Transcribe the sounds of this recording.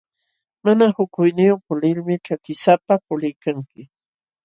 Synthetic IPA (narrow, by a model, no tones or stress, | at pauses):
manahʊkʊjnɪjopʊlɪlmɪʈ͡ʂakɪsapapʊlɪjkaŋkɪ